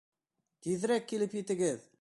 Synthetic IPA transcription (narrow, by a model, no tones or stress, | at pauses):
kʲʰiðɾæk̚ʲʰːelɪpjet̪ɪɡʲɪð